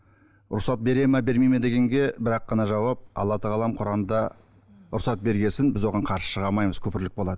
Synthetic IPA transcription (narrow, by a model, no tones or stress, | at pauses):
ʊ̰ɾsɑt̪̚be̞ɾe̞mɑbe̞ɾmejmed̪e̞ɡʲe̞ŋɡʲe̞bɪɾɑqːɑnɑʒɑwɑp̚ɑ̰lˠːɑt̪əʁɑlˠɑmqʰʊɾɑməd̪ɑ | ʊɾsɑt̪̚be̞ɾɡʲe̞sɪnbɪzwo̞ʁɑɴqʰɑɾʃə̥ʃəʁɑmɑjməz̥kʲʰɵpɪɾlɪk̚bo̞lˠɑd̪ə